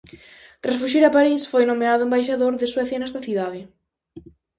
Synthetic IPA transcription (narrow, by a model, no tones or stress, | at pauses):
t̪ɾasfuʃiɾɐpaɾisfojnomeaðʊembajʃ̬aðoɾðɪswɛθjɐnɛst̪ɐθiðaðɪ